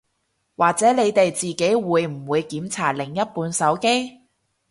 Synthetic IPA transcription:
waː˨k̚t͡sɛː˨˥le˨˧jt̪e˨jt͡siː˨ke˨˥jwuː˨˧jm̩˨˩wuː˨˧jkiː˨˥mt͡sʰaː˨˩t̚lɪ˨˩ŋjɐ˥t̚puː˨˧nsɐ˨˥wke˥j

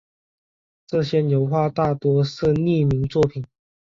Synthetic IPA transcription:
ʈ͡ʂɤ˥˧ɕjɛ˥njo˧˥ʊxwa˥˧t̪a˥˩t̪wɔ˥ʂɻ̩˥˧ni˥˩mi˧˥ŋt͡swɔ˥˨pʰi˨˩n

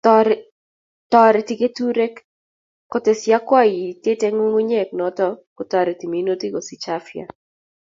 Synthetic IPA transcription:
tɔɾ | tɔ˦ɾɛ˨ti˨ke˦tu˦ɾɛ˦k | kːɔ˦te˨sja˦kwa˦˨ji˨te˦tɛ˦ŋo˦ŋu˦ɲɛ˦˨k̚nɔ˨tɔ˦kɔ˨tɔ˨ɾɛ˨ti˨mi˨˦no˦ti˦ɡo˨si˨t͡ʃa˦fja̰˨

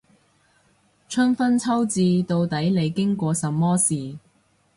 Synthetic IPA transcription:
t͡ʃʰɵ˥nfɐ˥nt͡sʰɐ˥wt͡siː˧t̪o˧wt̪ɐ˨˥jle˨˧jkɪ˥ŋkʷɔː˧sɐ˨˧mːɔː˥siː˨

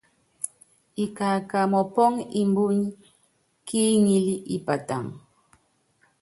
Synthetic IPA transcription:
i˨ka˨ka˨mɔ˨pɔ˦ŋi˨mbu˦ɲ˦ | ki˦ŋi˦li˦ʔi˨pa˨ta̰˨ŋ

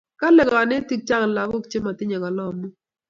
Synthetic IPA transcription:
ka˦lɛ˨ɡɔ˨a˨ne˦ti˦k̚t͡ʃa˦ŋ˨la˨kʊ˦kt͡ʃe˦ma˨tɪ˦ɲɛ˨ɡɔ˨lɔ˦˨mu˦

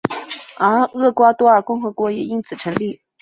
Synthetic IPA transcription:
ə˧˥ɤ˥˩kwa˥t̪wɔ˥ə˞˨˩kʊ˥˩ŋxɤ˧˥kwɔ˧˥jɛ˨˩i˥nt͡sʰɹ̩˨˩ʈ͡ʂʰɤ˧˥ŋli˥˩

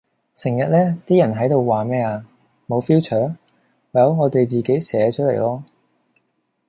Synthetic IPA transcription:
sɪ˨˩ŋjɐ˨t̚lɛː˥t̪iː˥jɐ˨˩nɦɐ˨˥jt̪o˨˧wwaː˨mɛː˥aː˧ | mo˨˧wfiː˥wt͡ʃʰœː˨˥ŋː˨ | jɐ˨˧wŋɔː˨˧t̪e˨jt͡siː˨ke˨˥jsɛː˨˧˥t͡ʃ̚ʰlḛ˨˩jlɔː˥

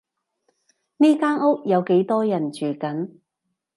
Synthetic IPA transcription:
niː˥kaː˥nʊ˥k̚jɐ˨˧wke˨˥jt̪ɔː˥jɐ˨˩nt͡ʃyː˨˩kɐ˨˥n

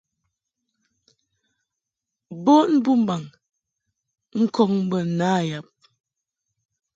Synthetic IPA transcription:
bo˦ʔn̩˦bu˦m̩˦ba˨ŋ | ŋ̩˦kɔ˦ŋm̩˦bə˨n̩˦˨naː˦˨ja˨p̚

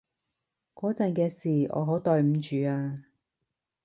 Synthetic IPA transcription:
kɔː˨˥t͡sɐ˨nkɛː˧siː˨ɔ̰ː˨˧ɦo˨˥wt̪ɔː˨˧jm̩˨˧t͡ʃyː˨˧aː˧

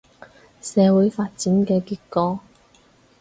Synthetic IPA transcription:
sɛː˨˧wuː˨˥jfaː˧t̚t͡siː˨˥nkɛː˧kiː˧t̚kɔː˧

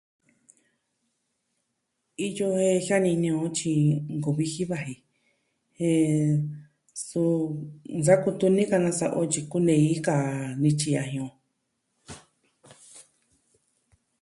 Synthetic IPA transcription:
i˧jo˧he˧ha˦nĩ˧nĩ˧õ˧˦t͡ʃĩ˧ŋɡo˨βi˧hi˦βa˧ɦi˨ | hẽ˧ | su˧nd͡za˦ku˧t̪u˧nĩ˦ka˧nã˧sa˧ʔo˧t͡ʃi˧ku˦nẽ˧i˦ka˨nĩ˧t͡ʃi˧ja˧ɦĩ˧õ˧

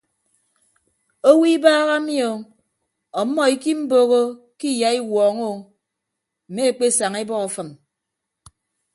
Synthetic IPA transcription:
o˦wi˦baː˦ɣa˦mjo˨ | ɔ˨˦mːɔ˦i˦ki˦m̩˦boː˦ɣo˦ | ki˦ja˨˦i˦wɔː˨ŋo˦˨ | m̩˨me˦e˨k͡pe˦˨sa˨ŋe˦bɔ˦ɣɔ˨fɨ˨n

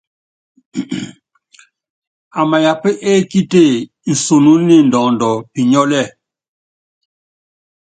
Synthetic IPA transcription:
a˨ma˨ja˨pə˦ʔe˦ki˦te˦˨ | n̩˨so˨nu˦ni˦˨ndɔː˨ndɔ˨pi˨ɲɔ˦lɛ˦˨

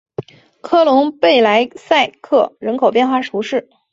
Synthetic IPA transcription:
kʰɤ˥˩lʊ˧˥ŋpe˥˩ɪla˧˥ɪsa˥˧ɪkʰɤ˥˩ɻə˧˥nkʰo˨˩ʊp̬jɛ˥˧nxwa˥˩ʈ͡ʂʰu˧˥ʂɻ̩˥˩

